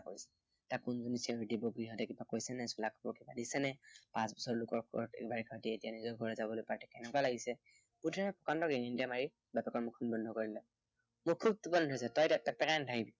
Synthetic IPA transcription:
ako̰jsɛ̥ | takːunzɔnisiɹitibɔɡɹiɦɔtɛkibakojsɛnɛsulakʰɔpɔɹkibadisɛnɛpãsbɔsɔɹlʊkɔɹkɔ̰ɛ̰kbaɹikʰaɹtietijanizɔɹɡʱɔɹɛzabɔlojpatɛkɛnɛkwalaɡisɛ | putʰaɹɛpɔkantɔɡɛŋintamaɹi | bapɛkɔɹmukʰɔnbɔndʱɔkoɹilɛ | mʊkʰub̚tubɔndʱɔjsɛtɔjtattːak̚pɛkandʰʱaɡibi

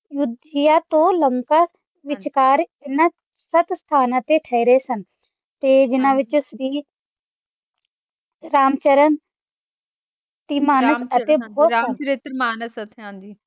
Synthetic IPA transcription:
jʊd̪ɪjaːt̪õːləŋkaː | ʋɪt͡ʃkaːɾɪnãː | sət̪st̪ʰaːnãːt̪eːʈʰəiɾeːsən | t̪eːd͡ʒɪnãːʋɪt͡ʃsɾiː | ɾaːmt͡ʃəɾən | t̪iːmaːnəsət̪eːbɔɔːɾɪt̪ɾmaːnəsət̪ʰãːnd̪iː

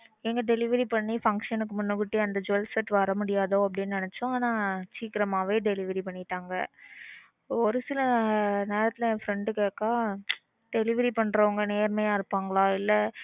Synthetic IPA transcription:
ɛŋɡɐɖɛlɪʋɐɾipɐɳːifɐŋkʂɐnɯkːɯmʊnːɯʋɪʈːɯɐnd̪ɐd͡ʒʊɛlsɐʈʋɐɾɐmʊɽɪjaːðoːɐp̬ːɐɽɪnːɯnɪnɛt͡ʃːʊ̃aːnãːt͡ʃiːkɪɾɐmaːʋeːɖɛlɪʋɐɾipɐɳːɪʈːaːŋɡɐ | ɔɾɯsɪlɐneːɾɐt̪ːɪlɐfɾɛɳɖɯkeːkːaː | ɖɛlɪʋɐɾipɐɳːɾɐʋɐŋɡɐneːɾmejaːɪɾɯpːaːŋɡɐɭaːɪlːɐ

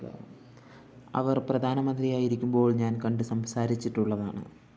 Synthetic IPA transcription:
ɐ̰ʋɐrprɐd̪ʱaːnɐmɐnd̪rijaːjiɾikʲːumbo̞ːɭɲaːnkɐɳɖɨsɐmsaːɾit͡ɕːiʈːuɭːɐða̰ːɳɨ̰

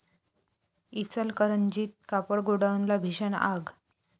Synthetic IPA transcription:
it͡səlkəɾənd͡ʑiːt̪̚kapəɽɡuɽanlabʱiɕəna̰ɡ

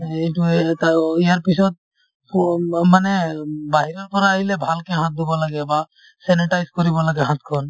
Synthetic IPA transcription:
eʈut̪aijaɾpisɔd̪̚ | manebaɦiɾɔɾpɔɾaːɦilebʱalkeɦãt̪̚d̪ibɔlaɡɛba | sɛniʈajskɔɾibɔlaɡɛɦãt̪kʰɔn

